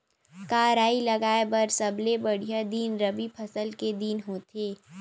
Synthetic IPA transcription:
kaːɾaːilɐɡaːebɐɾsɐblebɐɽ̤ijad̪iːnɾɐbipʰɐsəlked̪iːnɦoːt̪eː

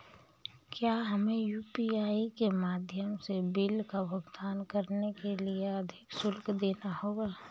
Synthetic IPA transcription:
kjaːɦɐmẽjuːpiaːikemaːd̪ʱjəmsebɪlkabʱʊɡd̪aːnkəɾnekelieɐd̪ʱɪksʊlkd̪eːnahoːɡaː

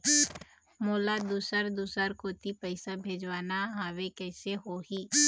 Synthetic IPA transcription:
moːlad̪uːsəɾd̪uːsəɾkoːt̪ipəɪsabʱeːd͡ʒwaːnaɦawekɛːseɦoːɦiː

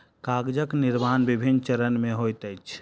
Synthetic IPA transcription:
kaːɡd͡ʒəknɪɾmaːnbɪbʱint͡ʃəɾənmẽɦojt̪əjt͡ʃʰ

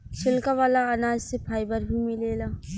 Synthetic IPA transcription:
ʃʰɪlkaʋaːlaɐnaːd͡ʒsepʰaːibəɾbʱimileːlaː

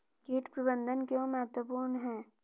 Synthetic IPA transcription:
kiʈpɾəbə̃nd̪ʱənkeomɛːt̪wəpuːɾnɦɛː

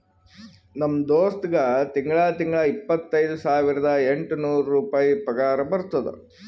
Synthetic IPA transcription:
nɐmːd̪oːst̪ɡɐt̪iŋɡɐɭaːt̪iŋɡɐɭɐipːɐt̪ːɐjd̪usaːʋiɾɐd̪ɐeɳʈnuːɾɾuːpaːjipɐɡaːɾɐbɐɾt̪ɐd̪ṵ

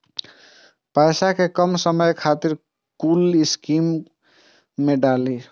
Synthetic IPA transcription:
pəjsakekəmsəməjkʰat̪iɾ | kuliskimː | eɖali

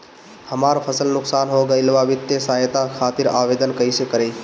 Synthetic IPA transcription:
həmaːɾpʰəsəlnʊksaːnɦoɡəilʋaʋɪt̪ːjesaːɦjt̪akʰaːt̪ɪɾaːʋeːd̪ənkəisekəɾe

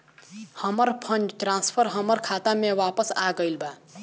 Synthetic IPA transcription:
həməɾpʰə̃nd͡ʒʈɾãːnspʰəɾɦəməɾkʰaːt̪amẽʋaːpəsaːɡəilbaː

